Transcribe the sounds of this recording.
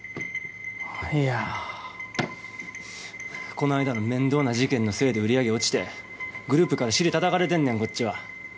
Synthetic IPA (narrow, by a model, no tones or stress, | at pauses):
ia | ko̞noaid̪anomẽ̞nd̪o̞ːnaʑikẽ̞nːo̞se̞ːd̪e̞ɯ̟ɾʲiaɡe̞o̞t͡ɕi̥t̪e̞ | ɡɯ̟ɾɯ̟ːpɯ̟kaɾaɕiɾʲit̪at̪akaɾe̞t̪̬ẽ̞nːẽ̞ŋko̞t͡ɕ͈ːiβa